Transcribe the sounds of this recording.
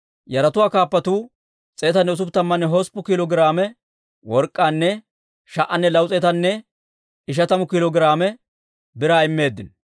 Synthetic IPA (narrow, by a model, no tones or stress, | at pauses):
jɐɾɐt̪ʊwaːkaːpːɐt̪uː | t͡sʼeːt̪ɐnːɛʊs̬ʊpt̪ːɐmːɐnːɛɦɔspːʊkɪlɔɡɪɾaːmɛ | wɔɾkʼːaːnːɛ | ʃɐʔɐnːɛlɐwt͡sʼɛːt̪ɐnːɛ | ɪʃ̬ɐt̪ɐmʊkɪlɔɡɪɾaːmɛ | bɪɾaːɪmːe̞ːd̪ːɪn